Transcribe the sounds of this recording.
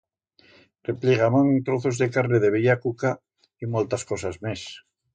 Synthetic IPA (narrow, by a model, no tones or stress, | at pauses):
repliɣamãŋt̪ɾoθozðekaɾneðeβ̞eʎakuka | imolt̪askosazmes